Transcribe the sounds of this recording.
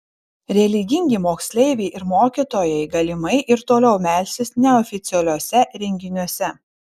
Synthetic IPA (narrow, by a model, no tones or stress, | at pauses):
ɾʲɛlʲɪɡʲɪŋʲɡʲɪmoːksʲlʲɛɪʋʲɛɪʔɪɾmoːkʲit̪oːjɛɪɡɐlʲɪmɐɪʔɪɾt̪oːlʲɛʊmʲæːˑlʲsʲɪsnʲɛɔfʲɪt̪sʲɛlʲuɔsʲɛɾʲɛŋʲɡʲɪnʲuɔsʲɛ